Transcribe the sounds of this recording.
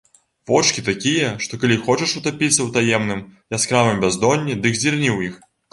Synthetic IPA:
vɔt͡ʂkʲit̪akʲijɐʂt̪ɔkalʲixɔt͡ʃɛʂut̪apʲit̪sːɐwt̪ajɛmnɨmjaskɾavɨmbʲazd̪ɔnʲːid̪ɨɡzʲdʲirnʲiwix

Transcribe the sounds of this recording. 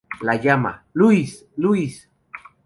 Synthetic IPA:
lajama̰luis | luis

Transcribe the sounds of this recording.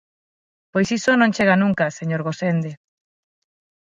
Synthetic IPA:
pojsisonõnt͡ʃeɣanũŋkaseɲoɾɣosend̪e

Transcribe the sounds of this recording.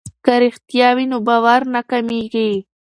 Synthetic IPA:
kaɾixt̪jɑwinobɑːwaɾnakamiɡi

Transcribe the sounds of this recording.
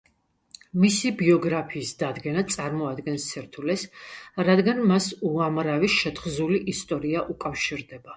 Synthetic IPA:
misibiɔɡɾapʰiːsd̪ad̪ɡɛnat̪sʼaɾmɔad̪ɡɛnst̪sʰɛɾt̪ʰulɛsɾad̪ɡanmasuamɾaviʃɛt̪χzuliʔist̪ʼɔɾiaʔukʼafʃiɾd̪ɛba

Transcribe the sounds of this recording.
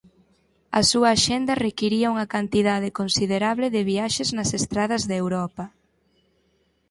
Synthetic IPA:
ɐsuɐːʃend̪ɐrekiɾiɐuŋɐkant̪iðaðɪkonsiðeɾaβlɪðɪβiaʃeznɐsest̪ɾað̞ɐzðewɾɔpɐ

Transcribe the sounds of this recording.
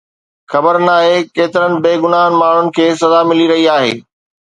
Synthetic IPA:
xɐbəɾnaːɦekeːt̪ɪɾənɪ̆beːɡʊnaːnmaːɳ̤ʊnɪ̆kʰeːs̬ɐzamɪliɾɐɦiaːɦḛː

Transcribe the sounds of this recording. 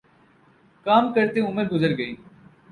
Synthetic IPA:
kaːmkəɾt̪eʊmɪd̪̚ɡʊzəɾɡəiː

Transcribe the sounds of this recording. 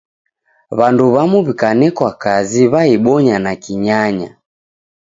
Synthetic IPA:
βanduβamuβikanɛkwakaziβaiɓɔɲanakiɲaɲa

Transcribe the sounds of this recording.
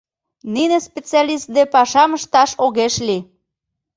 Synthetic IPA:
ninespʲet͡seɑlʲist̪̚d̪epɑʃɑməʃt̪ɑʃoɣeʃli

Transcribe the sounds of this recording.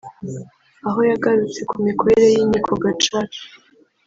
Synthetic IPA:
aɦo̞jaɡaɾut͡se̞kumiko̞ɾeɾejiɲikʰoɡat͡ʃaki̥

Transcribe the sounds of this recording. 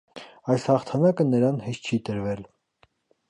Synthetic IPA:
ɑjshɑχt̪ʰɑnɑkənəɾɑnhɛʃt͡ʃʰit̪əɾvɛl

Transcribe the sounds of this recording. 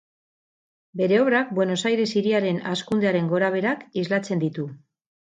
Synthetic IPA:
be̞ɾe̞o̞βɾak̚bwe̞no̞sajɾe̞siɾiaɾe̞naskund̪e̞aɾe̞ŋɡo̞ɾaβ̞e̞ɾakizlat͡se̞nd̪it̪u

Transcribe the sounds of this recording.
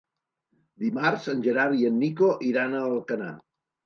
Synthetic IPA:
d̪imaɾzənʲʒəɾaɾiənːikoʔiɾanəlˠkəna̰

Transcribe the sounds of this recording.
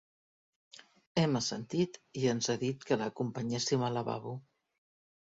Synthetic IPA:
ɛməsənt̪it̪iənzaðit̪kələkumpəɲɛsimələβa̰βu

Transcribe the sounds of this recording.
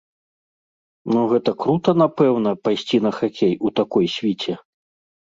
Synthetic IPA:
nuɣɛt̪ɐkɾut̪ɐn̪apɛwnɐpajsʲt͡sʲinɐxakʲejut̪akɔjsʲvʲit͡sʲɛ

